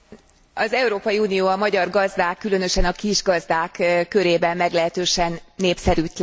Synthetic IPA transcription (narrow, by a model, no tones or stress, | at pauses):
ɒzɛuɾoːpɒjiuːnijoːɒmɒɟɒrɡɒzd̪aːkːylø̞nøʃɛnɒkiʒɡɒzd̪aːkkːø̞ɾeːbɛmːɛɡlɛɦɛt̪øːʃɛnːeːpsɛɾyt̪l